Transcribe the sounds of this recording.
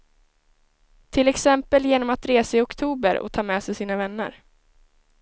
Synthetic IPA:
t̪ʰɪlɛksɛmpəljeːnɔmat̪ɾeːsaɪɔkt̪ʰuːbəɾɔ̰t̪ʰɑːmɛːsɛjsiːnavɛnːə̰ɾ

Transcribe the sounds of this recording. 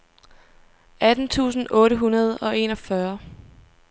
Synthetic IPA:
æd̥n̩t͡sʰṵːsn̩ʔɔ̽ːɾəɦunɐð̞ˠɒ̽e̝̰ːnɒ̽fɶɐ

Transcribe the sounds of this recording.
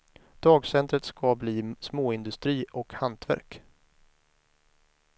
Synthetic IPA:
d̪̥ɑːɡsɛnt̪ɾət̪skʰabliːsmoːɪnd̪ɵst̪ɾiːʔɔkhant̪ʰvæ̰ɾk

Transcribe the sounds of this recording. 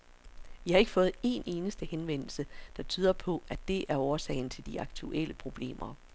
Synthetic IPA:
ʋihɑ̈e̝ɡ̥ə̥fɔ̽ːð̞̩ˠe̝̰ne̝ːnəsd̥əhenʋen̰l̩səd̥ɑ̈t͡sʰyːð̞ˠɐpʰɒ̽æd̥e̝ʔæɐɒːsɛ̰ɪn̩t͡sʰe̝ld̥iɑ̈ɡ̥t͡sʰuʔeləpʰʁo̝b̥le̝̰ːmʔɐ

